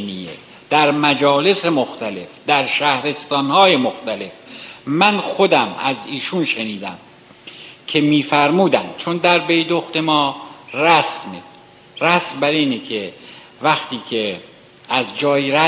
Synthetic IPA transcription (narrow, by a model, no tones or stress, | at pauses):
nijḛ | d̪̥æɾmæd͡ʒɒːle̞semoxt̪æle̞fd̪æɾʃæhɾe̞st̪ɒːnhɒːjemoxt̪æle̞fmænxod̪æmæziːʃunʃeniːd̪æm | kʰe̞miːfæɾmuːd̪ænd̪̥t͡ʃʰond̪æɾbe̞jd̪oxt̪e̞mɒːræsme | ræsmbæɾiːnekʰe | væxt̪iːkʰe | ʔæzd͡ʒɒːiɾæ